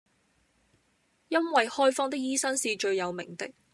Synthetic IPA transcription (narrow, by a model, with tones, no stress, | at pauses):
jɐ˥nwɐ˨jhɔː˥jfɔː˥ŋt̪ɪ˥k̚jiː˥sɐ˥ŋsiː˨t͡ʃɵ˧ɥjɐ˨˧wmɪ̰˨˩ŋt̪ɪ˨˥k̚